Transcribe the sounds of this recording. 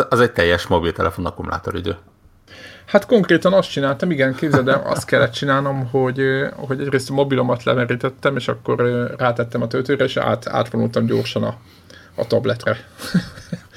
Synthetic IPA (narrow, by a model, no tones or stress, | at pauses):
ɒzɛc̚t̪ɛjːɛʃmobilt̪ɛlɛfonɒkumla̰ːt̪oɾid̪øː | hat̪ko̞ŋkreːt̪ɒnɒst̪t͡ʃinaːlt̪ɒmiɡɛnkeːbzɛd̪ɛɒ̰st̪kɛlːɛt̪t͡ʃinaːlno̞mɦo̞ɟøho̞ɟɛɟreːst̪mo̞bilo̞mɒt̪lɛ̰mɛɾiːt̪ɛt̪ːɛmeːʃɒkːo̞røraːt̪ɛt̪ːɛmɒt̪ølt̪øːɾɛeːʃa̰ːt̪a̰ːt̪ʋonult̪ɒmɟo̰ːrʃɒnɒ | ɒ̰t̪ɒblɛt̪rɛ